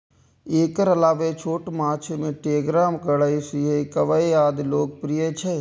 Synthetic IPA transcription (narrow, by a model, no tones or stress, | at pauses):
eːkəɾɐlaːʋet͡ʃʰoːʈmaːt͡ʃʰmẽʈeːɡɾaːmkəɽaisiɦekɐʋəejaːd̪loːk̚pɾijət͡ʃʰe